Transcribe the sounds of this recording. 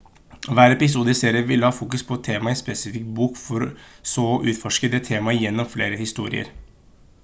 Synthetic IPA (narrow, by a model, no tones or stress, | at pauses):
ʋæːɾɛpɪsuːd̪əseːɾɪəʋɪlːəhɑːfuːkʉspʰɔɛt̪ʰeːmɑɪnspɛsɪfɪk̚t̪̚buːkfɔɾsɔʔʉːt̪fɔʂkəd̪ɛt̪ʰːeːmɑjɛnːɔmfleːɾəhɪst̪uːɾɪ̰ə̰ɾ